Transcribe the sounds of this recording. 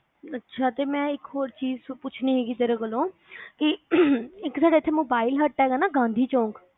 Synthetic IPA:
ətːʃʰaːt̪eːmɛ̃ːɪkɦoːɾt͡ʃiːzpʊt͡ʃʰniːɦeːɡiːt̪eɾəkəlõːkɪ | ɪksaːɽaːɪt̪ʰːeːmoːbaːilɦəʈʈːɛːɡaːnaːɡãːnd̪ʱiːt͡ʃõːŋk

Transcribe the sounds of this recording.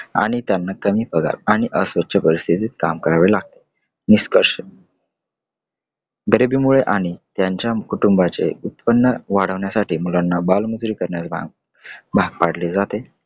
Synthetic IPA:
a̰ɽ̃it̪janːakəmiːpəɡʱa̰laɽ̃iʔəsʋət̪ːɕʰəpəɾist̪ʰit̪iːt̪̚ka̰mkəɾaʋelaɡ̚t̪e̥ | niskəɾɕə | ɡəɾibiːmuɭeʔaɽ̃it̪jaɲt͡ɕjakuʈumbat͡sḛut̪pənːəʋaɽ̤əʋɳjasaʈʰiːmulanːabalmud͡zɾiːkəɾɳjat͡s | bʱaɡ̚paɽ̤led͡zat̪e

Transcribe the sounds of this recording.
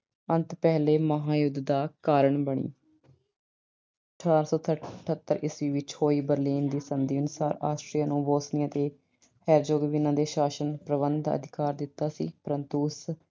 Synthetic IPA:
ənt̪pɛːleːməɦaːjʊd̪d̪aːkaːɾəɳbəɳ̃ḭː | əəʈʰaːɾsɔːt̪ʰəʈʰət̪ːəɾɪsʋiːʋɪt͡ʃhoːiːbəɾliːnd̪iːsənd̪iːʊnʊsaːɾa̰ːsʈɾiːaːnũːboːsniãːt̪eː | hɛːɾd͡ʒoːɡʋɪnãːd̪eːʃaːʃənpɾəʋənd̪̰ə̰d̪ʱɪkaːɾd̪ɪt̪ːaːsḭːpəɾənt̪uːs

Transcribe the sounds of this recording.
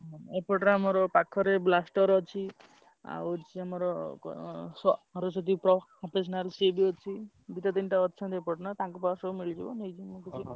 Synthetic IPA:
epɔʈɾamɔɾɔpakʰɔɾeblasʈɔɾɔt͡ʃʰi | a̰wt͡ʃʰiamɔɾɔ | sɔɾɔsɔt̪ipɾɔɔpes̬naɾsebiɔt͡ʃʰi | b̪it̪at̪inʈaɔt̪ːt͡ʃʰant̪epɔʈnat̪ãkɔpasɔmiɭd͡ʒibɔnejt͡ʃʰimokɔt͡ʃʰi

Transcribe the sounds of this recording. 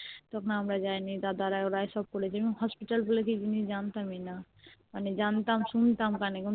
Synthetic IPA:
t̪ɔkʰnaɦəmɾad͡ʒajnid̪ad̪aɾajɔɾajsɔb̚kɔɾɛt͡ʃʰɛmiɦɔspiʈəlbulekid͡ʒinid͡ʒant̪amina | anid͡ʒant̪amsunt̪aɦmkaneku

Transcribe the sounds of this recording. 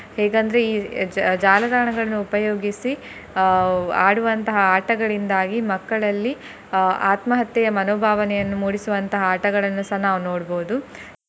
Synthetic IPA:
hɛːɡɐnd̪ɐɾeiːd͡ʒaːlɐd̪aːɐɳɐɡɐɭɐnːuupɐjoːɡisi | aːɽuʋɐnt̪ɐɦɐaːʈɐɡɐɭind̪aːɡimɐkːɐɭɐlːi | a̰ːt̪mɐɦɐt̪jɐjɐmɐnoːbʱaːʋɐnɛjɐnːumuːɽisuʋɐnt̪ɐɦɐaːʈɐɡɐɭɐnːusɐnaːʋunoːɽboɦud̪u

